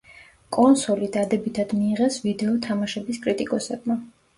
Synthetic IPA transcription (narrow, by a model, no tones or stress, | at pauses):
kʼɔnsɔlid̪ad̪ɛbit̪ʰad̪miːʁɛsvid̪ɛɔt̪ʰamaʃɛbiskʼɾit̪ʼikʼɔsɛb̚ma